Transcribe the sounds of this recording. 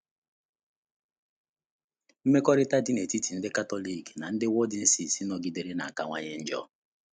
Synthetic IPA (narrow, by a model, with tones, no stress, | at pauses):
m̩˦me˦kɔ˦ɾɪ˦ta˦dɪ˦ne˨ti˦ti˨n̩˦dɪ˦ka˦tɔ˦li˦˨kna˨n̩˦dɪ˦wɔ˦dɪ˨n̩˦si˨si˦nɔ˨ɡi˦de˨ɾe˦na˨a˨ka˨ŋʷa˦ɲe˦n̩˦d͡ʒɔ̰˦